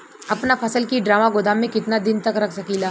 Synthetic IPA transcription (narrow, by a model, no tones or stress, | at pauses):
ɐpnafʰɐsəlkiɖɾaːmaɡʊd̪amẽkɪt̪nad̪ɪnt̪ɐkɾɐkʰsɐkiːlaː